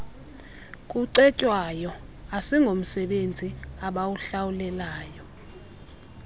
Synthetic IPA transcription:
kʼuǀɛcʼwajɔ | asiŋɡʱom̩sɛɓend͡zʱiaɓawuɬawulɛlaːjɔ

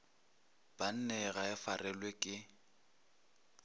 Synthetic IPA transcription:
b̥an̩nɛɣaɪfarɛlwekʼɪ

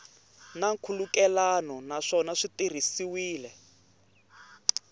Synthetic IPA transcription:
naŋkʰulukɛlanɔnaʂɔnaʂitir̤isiwiːlɛ

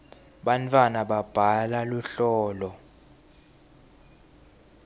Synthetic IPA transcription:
ɓant͡fʰʼwanaɓab̥ʱalaluɬɔːlɔ

